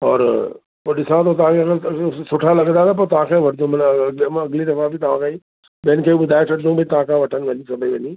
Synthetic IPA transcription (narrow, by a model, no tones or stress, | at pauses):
ɔ̰ːɾ | poːɗɪsãt̪ʰot̪ɐʋãkʰekesʊʈʰalɐɠənd̪at̪ɐp̬oːɾt̪ɐʋ̤ãkʰẽʋɐʈʰd̪õmnɐɡlid̪ɐfãbɪt̪ɐʋ̤ãkʰai | ɓiənɪ̆kʰeːiɓʊd̪ʱaːet͡ɕʰɐɽɪd̪ũbʱɪt̪ɐʋãkʰãʋɐʈʰənɪ̆ʋɐ̃ɲisɐbʱeʋɐɲiː